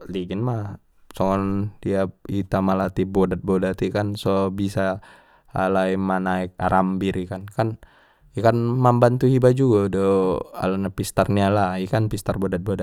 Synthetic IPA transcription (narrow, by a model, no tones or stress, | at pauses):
liɡinma | sɔŋɔndiait̪amalat̪ibodat̪̚bodat̪ikansobisa | alaimanaik̚aɾʔambiɾikankan | ɛkanmambant̪uhibad͡ʒuɡadoa̰lanapist̪arnialaikanpist̪arbodat̪̚boda